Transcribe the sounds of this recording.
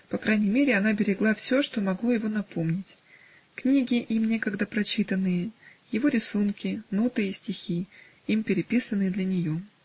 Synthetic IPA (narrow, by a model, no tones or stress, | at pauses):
pɐkɾajnʲɪjmʲeɾʲɪɐn̪abʲɪɾʲɪɡlˠafsʲo̞ʂt̪o̞mɐɡlˠo̞jɪvo̞nɐpo̞mnʲɪtʲ | knʲiɡʲɪʔimnʲe̞kəɡd̪əpɾɐt͡ɕit̪ənːɨjəjɪvo̞ɾʲɪsunkʲɪnot̪ɨɪsʲtʲɪxʲi | impʲɪɾʲɪpʲisənːɨjəd̪lʲənʲɪjo̞